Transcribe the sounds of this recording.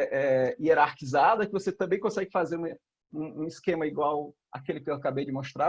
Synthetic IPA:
ʔɛieɾaɾkizad̪ɐkɪvoset̪ɐ̃bẽj̃kõsɛɡɪfazeɾũ | ũũiskẽmɐiɡwaw | a̰kelɪkɪewakabejd͡ʒɪmost̪ɾa

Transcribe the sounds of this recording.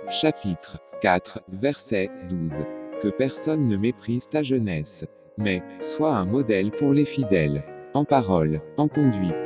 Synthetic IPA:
ʃapit̪χkat̪χvɛʁsɛd̪uzkəpɛʁsɔnːəmepχiz̥t̪aʒənɛs | mɛswaɛ̃mɔd̪ɛlpuʁlefid̪ɛlɑ̃paʁɔlɑ̃kɔ̃d̪ɥit̪

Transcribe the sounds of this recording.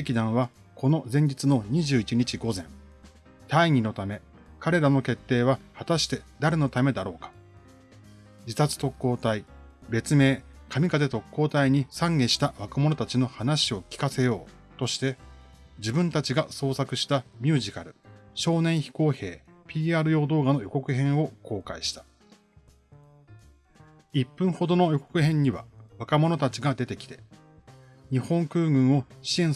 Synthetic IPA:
ekʲid̪ãɰ̃βa | kʰo̞no̞zẽ̞ɲ̟d͡ʑit͡sɨno̞ɲ̟iʑɨːit͡ɕiɲ̟it͡ɕiɡo̞zẽ̞n | t̪aiɲ̟ino̞t̪ame̞ | kaɾe̞ɾano̞ke̞t̪ːe̞ːβ̞ahat̪aɕi̥t̪e̞d̪aɾe̞no̞t̪ame̞d̪aɾo̞ːkḁ | d͡ʑit̪at͡sɨ̥t̪o̞kːo̞ːt̪ai | be̞t͡sɨme̞ː | kʰamʲikat̪̬e̞t̪o̞kːo̞ːt̪aiɲ̟isãŋɡe̞ɕi̥t̪aβakɯmo̞no̞t̪at͡ɕino̞hanaɕio̞kʲi̥kase̞jo̞ː | t̪o̞ɕi̥t̪e̞ | d͡ʑibɯ̟̃nt̪at͡ɕiɡaso̞ːsakɯ̟ɕi̥t̪amʲɨːʑikaɾɯ̟ɕo̞ːnẽ̞ɰ̃çi̥ko̞ːhe̞ː | pʲiːaːɾɯjo̞ːd̪o̞ːɡano̞jo̞ko̞kɯ̟ɦẽ̞ɰ̃o̞ko̞ːkaiɕi̥t̪ḁ | ipːɯ̟̃ɰ̃ho̞d̪o̞no̞jo̞ko̞̥kɯ̟ɦẽ̞ɲ̟ːiβa̰βakamo̞no̞t̪at͡ɕiɡad̪e̞t̪e̞kʲi̥t̪e̞ | ɲ̟ihõ̞ŋkɯ̟ːɡɯ̟̃ɰ̃o̞ɕiẽ̞ɰ

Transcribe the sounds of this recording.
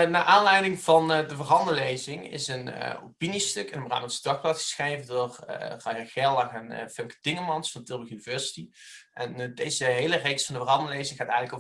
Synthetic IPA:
naːʔaːnlɛjdɪŋv̥ɑndəvərɦɑndəlejzɪŋɪ̰səno̰pinistɵkənəmra̰ːmənsədɑxplaːtxχə̥sχrejvəndʊːrrɑjaχɛlˠaxɛn̰fɪmkə̥d̥ɪŋəmɑnsfɑntɪlˠbəχynivɛɹsi̥ti | ʔɛndejzəɦejlərejksfɑndəvərɦɑndəlejzɪŋχaːtɛjɣənləko

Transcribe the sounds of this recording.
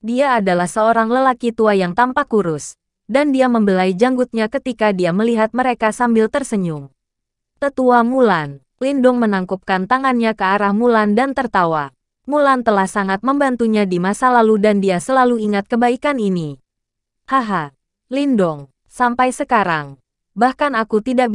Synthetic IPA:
diaːdalahsəoɾaŋləlakit̪uajaŋt̪ampakuɾʊs | dandiaməmbəlaid͡ʒaŋɡut̪̚ɲakət̪ikadiaməliɦat̪̚məɾekasambɪlt̪ərsəɲʊŋ | t̪ət̪uamulan | lindʊŋmənaŋkup̚kant̪aŋanɲakəaɾahmulandant̪ərt̪awa | mulant̪əlahsaŋat̪̚məmbant̪uɲadimasalaludandiasəlaluiŋat̪̚kəbaikanini | haɦa | lindɔŋ | sampajsəkaɾaŋ | bahkanakut̪ida

